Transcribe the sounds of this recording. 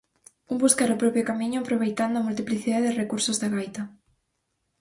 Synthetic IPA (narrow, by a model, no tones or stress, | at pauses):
umbuskaɾopɾɔpjokamĩɲʊapɾoβ̞ejt̪and̪ʊamult̪̬ipliθiðaeðɪrekuɾsozðeɣajt̪a